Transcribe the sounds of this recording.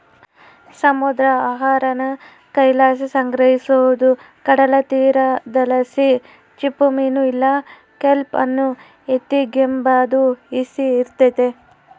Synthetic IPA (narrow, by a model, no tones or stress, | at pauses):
sɐmud̪ɾɐaːɦaːɾɐnɐ | kɐjlaːs̬isɐŋɡɾɐɦisoʋud̪u | kɐɽɐlɐt̪iːɾɐd̪ɐlɐsi | t͡ʃipːumiːnuilːɐ | kelpɐ̰nːu | et̪ːiɡembaːd̪uisiːɾt̪et̪e